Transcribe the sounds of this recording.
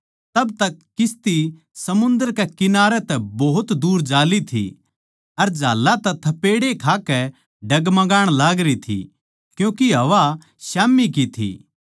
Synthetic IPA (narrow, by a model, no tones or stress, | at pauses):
t̪ɐbt̪ɐkːɪst̪i | sɐmʊ̃nd̪əɾkɛkɪnaːɾɛt̪ɛbɐɦʊt̪d̪uːɾd͡ʒaːlit̪ʰḭ | ɐɾd͡ʒaːlːat̪ɛt̪ʰɐpeːɽekʰaːkɛ | ɖɐɡmɐɡaːɽ̃laːɡɾit̪ʰḭ | kjũːkiɦɐʋa | ʃaːmik̬it̪ʰḭː